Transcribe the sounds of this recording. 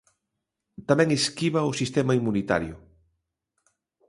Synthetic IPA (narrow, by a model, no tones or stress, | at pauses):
t̪amɛ̃ŋeskiβɐʊsist̪ɛmaimunit̪a̰ɾjʊ